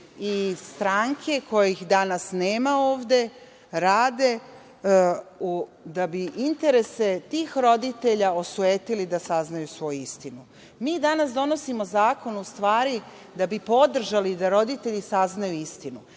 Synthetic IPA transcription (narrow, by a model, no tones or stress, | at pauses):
ist̪ɾaŋkʰe̞ko̞jjixd̪anasneːmao̞ːʋd̪e̞ | ɾaːd̪e̞ | ud̪abiʔint̪e̞ɾe̞se̞t̪iːxɾo̞d̪it̪e̞ʎao̞sueːt̪ilid̪asaznajusʋo̞juist̪inu | miːd̪anasd̪o̞no̞simo̞zaːko̞nust̪ʋaːɾi | d̪abipo̞d̪r̩ʒalid̪aɾo̞d̪it̪e̞ʎisaznajuist̪inu